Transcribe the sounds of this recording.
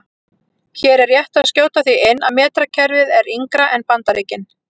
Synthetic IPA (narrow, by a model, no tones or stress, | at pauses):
çɛːɾɛɾjɛht̪aðscjoːwt̪aθiɪnːaðmɛːt̪ɾacʰɛɾvɪðɛɾiŋkɾaʔɛnpant̪aɾeːcɪn